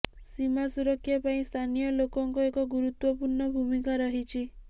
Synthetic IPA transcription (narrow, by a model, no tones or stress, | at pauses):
simasuɾɔkʰːjapaĩst̪ʰanijɔlokɔŋkɔekɔɡuɾut̪wɔpuɾɳɔbʱumikaɾɔɦit͡ʃʰi